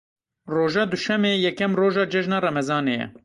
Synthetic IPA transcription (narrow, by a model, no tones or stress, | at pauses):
roːʒɑːd̪uʃɛmeːjɛkɛmroːʒɑːd͡ʒɛʒnɑːrɛmɛzɑːneːjɛ̰